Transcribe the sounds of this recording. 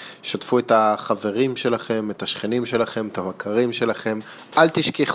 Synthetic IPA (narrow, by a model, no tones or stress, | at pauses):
ʃatfuetaχave̞ʁimʃe̞laχe̞metaʃχenimʃe̞laχe̞met̪amakʰaʁimʃe̞laχe̞m | ʔalt̪iʃkeχ